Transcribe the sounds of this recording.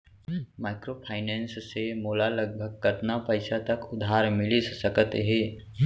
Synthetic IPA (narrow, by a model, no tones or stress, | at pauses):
maːɪkɾopʰaːɪnɛ̃ːnssemuːlalɐɡ̚bʱəɡ̚kəɾt̪napɐɪsat̪ɐkʊd̪ʱaːɾmɪlissəkət̪ɦɛː